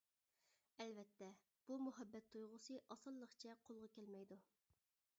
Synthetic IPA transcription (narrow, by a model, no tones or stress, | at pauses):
ɛlvɛt̪ʰːɛ | b̥umuɦɛbːɛt̪ʰːujʁʊsɨʔɑsɑlˠːəχt͡ʃʰɛqʰolˠʁɑkʲɛlmɛjd̪u